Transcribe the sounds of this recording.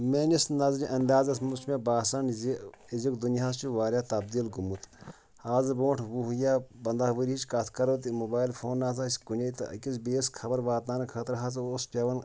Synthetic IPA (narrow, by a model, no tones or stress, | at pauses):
menisnɐzɾiʔɐnd̪aːzɐsmut͡ʃmebaːsɐnzi | izikd̪unjaːst͡ʃiʋaːɾʲat̪ɐb̚d̪ilɡumut̪ | aːzɨboːʈʰʋuɦujaːbɐnd̪aːʋəɾʲiit͡ʃkɐt̪ʰkɐɾot̪̬imobaːjlfʰoːnːaːz̬asʲkunʲɐt̪ɨ̰ɐ̰kʲisbeːskʰɐbɐɾʋaːt̪̚aːnɐkʰɐt̪ɾɦɐz̬ospʲɐʋɐn